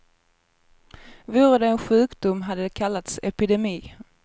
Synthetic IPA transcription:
vuːɾəd̪ɛːnɧʉ̟ːkd̪ʊmɦad̪ːəd̪ɛkʰalːat̪sɛpɪd̪ɛmiː

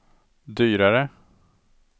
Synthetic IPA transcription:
d̪yːɾaɾə

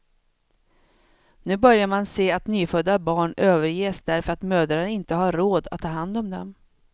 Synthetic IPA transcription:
nʉ̟ːbœɾjaɾmanseːat̪nyːfœd̪ːabɑːɳøːvəɾjeːsd̪æɾfœɾat̪møːd̪ɾaɪnt̪əhaːoːd̪at̪ʰːɑːɦand̪ɔmd̪ɛ̰m

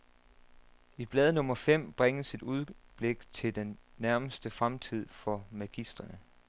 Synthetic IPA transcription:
ib̥lɛːðˠnɔ̽mɐfem̰b̥ʁaŋəsid̥uð̞ˠb̥le̝ɡ̥t͡sʰe̝ld̥enːæɐməsd̥əfʁamt͡sʰið̞̰ˠfɒ̽mæɡ̥isd̥ʁɐnə

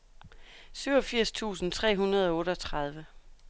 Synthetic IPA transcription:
syʊɒ̽fiɐ̰st͡sʰṵːsn̩t͡sʰʁɛ̰ːɦunʁɐð̞ˠɒ̽ɔ̽ːɾəɒ̽t͡sʰʁɑð̞ˠʋə

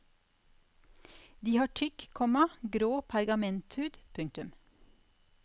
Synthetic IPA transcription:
d̪iːhɑːʈʰʏkkʰɔmɑɡɾoːpʰɑɾɡɑmɛnt̪hʉːd̪pʰʉŋt̪ʉm

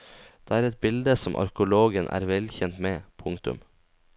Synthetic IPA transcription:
d̪̥eːæːɾɛt̪̚bɪld̪əsɔmʔɑ̰ɾkʊloːɡənʔæ̰ːɾʋɛlçɛnt̪meːpʰʊŋt̪ʉ̰m

